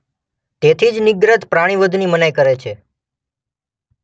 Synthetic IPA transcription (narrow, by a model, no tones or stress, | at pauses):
t̪et̪ʰid͡ʒnɪɡɾət̪pɾaɽ̃iʋəd̪ʱnimənəjkəɾet͡ʃʰe